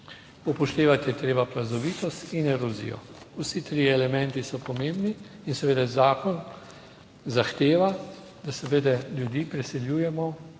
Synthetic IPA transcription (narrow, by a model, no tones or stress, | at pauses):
upɔʃt̪eːʋat̪jɛt̪ɾeːbapɾazɔʋiːt̪ɔst̪inɛɾɔzḭjɔ̰ | usit̪ɾiɛlɛmɛ̃nt̪isɔpɔmembniː | nsɛʋeːd̪ɛzaːkɔn | zaxt̪eːʋa | d̪asɛʋeːd̪ɛlʲjud̪iːpɾɛsɛljuːjɛmɔ